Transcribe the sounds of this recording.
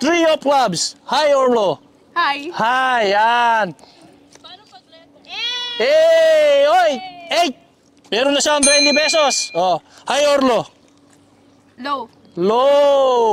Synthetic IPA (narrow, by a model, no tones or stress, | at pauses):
t̪ɾiop̚klabshajoɹlo | jhajan | ʔɛ | ojʔɛjt̪̚ | mɛːɾonːɐʃaɐŋt̪̬wɛnt̪ɪbɛsosʔo | hajoɾlo | lo